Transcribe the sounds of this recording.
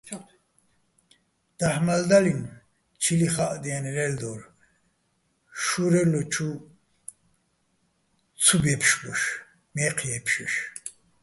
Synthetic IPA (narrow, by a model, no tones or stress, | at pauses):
d̪̥aħmald̪alin | t͡ʃʰiliχaʔd̪ianiɾɛld̪ɔɾ | ʃuɾɛlɔt͡ʃʰu | t͡sʰubɛpʰʃbuʃ | mɛqʰjɛpʰʃɛʃ